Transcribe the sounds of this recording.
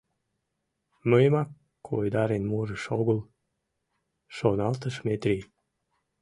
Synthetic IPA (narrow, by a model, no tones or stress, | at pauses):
məjmɑkːʰ | ojd̪ɑɾenmuɾəʃoɣəl | ʃonɑlt̪əʃmet̪ɾi